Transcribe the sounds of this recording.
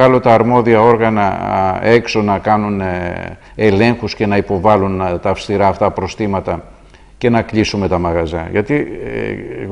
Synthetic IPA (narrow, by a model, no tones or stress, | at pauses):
ɐlo̞t̪ɐːɾmo̞ðiɐo̞ɾɣɐnɐ̰e̞kso̞nɐkɐnun | e̞le̞ŋxusce̞nɐipo̞vɐlunt̪ɐːfst̪iɾɐːft̪ɐpɾo̞st̪imɐt̪ɐ | ce̞nɐklisume̞t̪ɐmɐɣɐzɐʝɐt̪i